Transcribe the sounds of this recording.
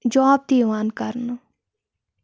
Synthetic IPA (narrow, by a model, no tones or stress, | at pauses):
d͡ʒɔːb̚t̪iːʋaːnkəɾn